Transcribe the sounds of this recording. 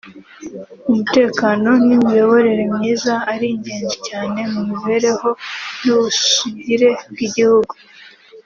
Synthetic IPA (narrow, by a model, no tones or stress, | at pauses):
umute̞ːkano̞nimijo̞βo̞ɾeɾe̞mɲiːzaːɾiɲɟe̞ːɲzicaːne̞mumiβe̞ɾe̞ho̞nuβuʃiɲiɾe̞b̚ɡiɟihuɡu